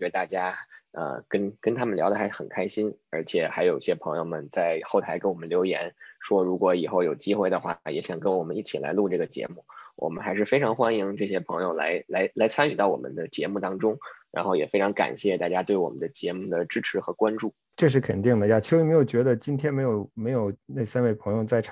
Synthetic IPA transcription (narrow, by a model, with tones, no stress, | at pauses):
ɔ˨t͡ɕɛ˧˥d̪ə˧˩t̪a˥˩t͡ɕja˥ə̰˧kə˥nkə˥nt̪ʰa˥mə˨nljd̪ə˧˩xa˧˥ɪ˥˩xə˨˩nkʰa˥ɪɕi˥nə̰˞˧˥t͡ɕʰjɛ˨˩xa˧˥ɪjo˨˩ʊi˥˩ɕjɛ˥pʰɤ˧˥ŋjo˧ʊmə˨˩nt͡sa˥˧ɪxo˥˩ʊt̪ʰa˧˥ɪkə˥nwɔ˨˩mə˦nljo˧˥ʊjɛ̰˧˥nʂwɔ˥ɻu˧˥kwɔ˧˥i˨˩xo˥˩ʊjo˨˩ʊt͡ɕi˥xwe˥˩ɪd̪ə˩xwa̰˥˩jɛ˧˥ɕjɑ˨˩ŋkə˥nwɔ˨˩mə˦ni˥˩t͡ɕʰi˨˩la̰˧˥ɪlu˥˧ʈ͡ʂɤ˥˩ɡə˩t͡ɕjɛ̰˧˥mu˥˩wʔɔ̰˨˩mə̰˦nxa˧˥ɪʂ̬ɻ̩˥˩fe˥ɪʈ͡ʂʰɑ˧˥ŋxwa˥ni˧˥ŋʈ͡ʂɤ˥˩ɕjɛ˥pʰɤ˧˥ŋjo˥˧ʊla̰˧˥ɪla˧˥ɪla˧˥ɪt͡sʰa˥ny˨˩t̪ɑ˥˩ʊwɔ̰˨˩mʔə̰˦nd̪ə˧t͡ɕjɛ̰˧˥mu˥˩t̪ɑ˥ŋʈ͡ʂʊ˥ŋɻa̰˧˥nxo˥˩ʊjɛ˨˩fe˥ɪʈ͡ʂʰɑ˧˥ŋka̰˨˩nɕjɛ˥˩t̪a˥˩t͡ɕja˥t̪we˥˩ɪwɔ̰˨˩mə̰˦nd̪ə˦t͡ɕjɛ˧˥mu˥˩d̪ə˩ʈ͡ʂɻ̩˥ʈ͡ʂʰɻ̩˧˥xɤ˧˥kwa˥nʈ͡ʂu˥˩ | ʈ͡ʂɤ˥˧ʂ̬ɻ̩˥˩kʰə˨nt̪i˥˩ŋd̪ə˩ja˥˩t͡ɕʰi˥me˧˥ɪjo˨˩ʊt͡ɕɥɛ˧˥d̪ə˧t͡ɕi˥nt̪ʰjɛ˥nme˧˥ɪjo˨˩ʊme˧˥ɪjo˨˩ʊne˥˩sa˥nwe˥˩ɪpʰɤ˧˥ŋjo˧ʊt͡sa˥˩ɪʈ͡ʂʰ